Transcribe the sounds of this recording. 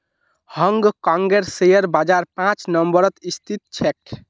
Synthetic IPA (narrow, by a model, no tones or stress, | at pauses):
hʌŋɡkãŋɡeɾsejəɾbad͡ʒaɾpãt͡ʃnəmbəɾʌt̪ist̪ʰit̪̚t͡ʃʰɛk̚